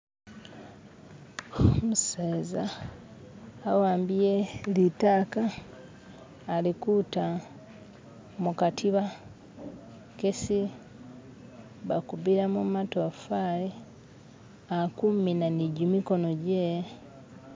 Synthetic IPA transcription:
omuseːza | waːmbijelitaːka | likuta | mukatʰiβa | kesi | βakuβiɾamumatoafaje | akuminaniɟumiko̞noɟe

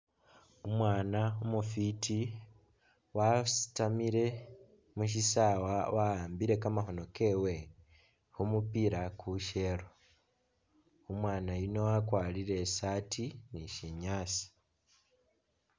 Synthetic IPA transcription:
omwaːnaomufiti | wasi̥tamiɾe̞ | muʃ̬isawawahaːmbiɾe̞kamaɦo̞no̞ke̞ːwe̞ | humupiɾakuʃe̞ɾo | omwaːnajino̞wakwaːliɾe̞ːsaːtiniʃiɲaːsi̥

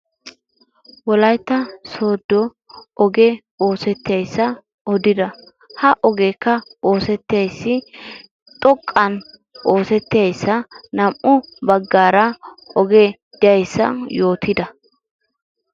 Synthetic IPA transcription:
wɔlɐjt̪ːɐso̞ːd̪ːɔ | ʔɔɡɛ | o̞ːsɛt̪ːɪjɐjsːɐ | ɔd̪ɪd̪ɐ | hɐʔɔɡeːkːɐo̞ːsɛt̪ːɪjɐjsːɪ | t̪ʼɔkʼːɐn | ʔoːsɛt̪ːɪjɐjsːɐnɐmʔʊbɐɡːaːɾɐʔɔɡe | d̪̥ɪjɐjsːɐ̰jo̞ːt̪ʰɪd̪ɐ

